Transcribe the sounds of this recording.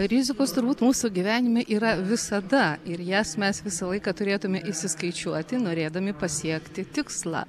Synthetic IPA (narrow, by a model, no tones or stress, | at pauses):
ɾʲɪzʲɪkoːst̪ʊɾbuːt̪muːsuɡʲiʋʲæːnʲɪmʲeʔiːɾɐʋʲɪsɐd̪ɐɪɾjæːsmʲɛsʋʲɪsɐlˠɐɪkɑt̪ʊɾʲeːt̪ʊmʲɛʔɪʃʲsʲɪskɐɪt͡ʃʲuɔt̪ʲɪnoːɾʲeːd̪ɐmʲɪpɐsʲiɛkt̪ʲɪt̪ʲɪkslˠɑ̰ː